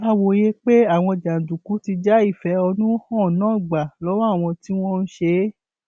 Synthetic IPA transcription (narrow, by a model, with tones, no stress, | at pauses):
a˦wo˨je˦k͡pe˦a˦˨w̃ɔ̃˧˨d͡ʒa˨n̩˨du˨ku˨˦ti˧d͡ʒa˦i˦˨fɛ˨˦ɔ˧nũ˦hɔ̃˦˨nãː˦˨ɡ͡ba˨lɔ˨˦wa˦˨w̃ɔ̃˧ti˦w̃ɔ̃˦n̩˦ʃe˧˦